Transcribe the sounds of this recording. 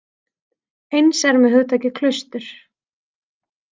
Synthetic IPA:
ejnsɛɾmɛðɦhʏðt̪ʰaːcɪkʰlœst̪ʏɾ̥

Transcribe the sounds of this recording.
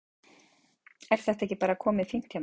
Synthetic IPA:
ɛɾ̥θɛht̪ɛhcːɪpaːɾakʰɔːmɪðfiŋ̥t̪ʰja

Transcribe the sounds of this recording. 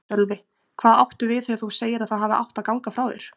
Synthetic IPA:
œlvɪ | kʰv̥aːðawht̪ʏvɪðθeaθuseːjɪɾaðθaðɦaːvɪa̰wht̪aðkawŋkafɾawðḛɾ̥

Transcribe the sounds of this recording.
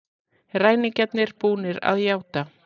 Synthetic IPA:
raːjnɪcɛt̪nɪɾ̥puːnɪɾa̰ðjaːwt̪a

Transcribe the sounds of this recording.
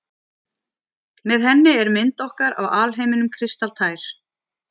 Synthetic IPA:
mɛðɦɛnːɪɛɾmɪnt̪ɔhkaɾa̰waːlɦeːjmɪnʏmkʰɾɪst̪alt̪ʰaːjɾ̥

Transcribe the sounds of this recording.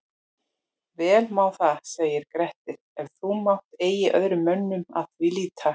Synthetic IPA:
vɛːlmawθaseːɣjɪɾkɾɛht̪ɪɾɛɾ̥θumawht̪eːjɪʔœ̰ðɾʏmœnːʏma̰tʰvilit̪ʰa

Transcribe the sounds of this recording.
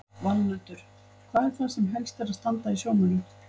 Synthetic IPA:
valːœt̪ʏɾ̥ | kʰvaːðɛɾ̥θasɛmɦɛlst̪ɛɾaðst̪ant̪aisjoːwmʏnʏ

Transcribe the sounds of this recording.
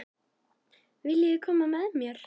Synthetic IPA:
vɪlːɪjɪkʰɔmamɛðmjœɾ̥

